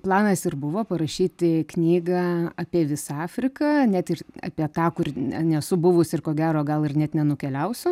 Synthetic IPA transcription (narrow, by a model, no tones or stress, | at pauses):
plˠɑːnɐsɪrbʊʋoːpɐɾɐʃʲiːt̪ʲɪknʲiːɡɑɑpʲiɛʋʲɪsɑːfʲɾʲɪkɐnʲæt̪ɪrɑ̰ːpʲiɛt̪ɑːkʊrɛnʲɛsʊbʊʋʊsɪrkoːɡʲæːɾoːɡɐlˠɪrnʲɛt̪nʲɛnʊkʲɛlʲɛʊsʲʊ